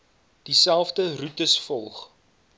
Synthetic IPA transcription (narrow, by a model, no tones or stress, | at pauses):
d̥isælˠfdərutəsfɔlˠχ